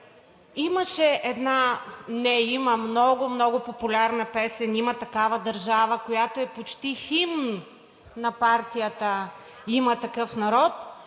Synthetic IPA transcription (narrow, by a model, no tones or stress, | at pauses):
iməʃɛʔɛd̪nanɛiməmnɔɡʊmnɔɡʊpopʊlʲaɾnɐpɛsɛnimɐt̪ɐkavəd̪ɐɾʒavəkojat̪oɛpot͡ʃt̪iximn | nɐpaɾt̪ijət̪ə | imɐt̪ɐkɤfnɐɾɔt̪